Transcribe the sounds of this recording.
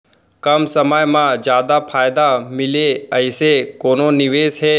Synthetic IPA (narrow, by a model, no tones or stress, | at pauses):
kəmsəməjmãd͡ʒjaːd̪apʰaːjd̪amɪleəɪsekoːnonɪʋeːsɦɛː